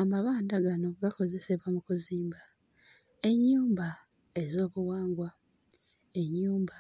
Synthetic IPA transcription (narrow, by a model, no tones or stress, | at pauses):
amaβaːndaɡano̞ɡako̞ze̞se̞βwamukuziːmba | e̞ɲːuːmba | e̞zo̞ːβuwaːŋɡwa | e̞ɲːuːmba